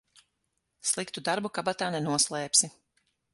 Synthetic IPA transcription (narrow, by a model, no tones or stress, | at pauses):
slˠikt̪ud̪aɾbukabat̪aːnɛnuɔslˠɛːpsi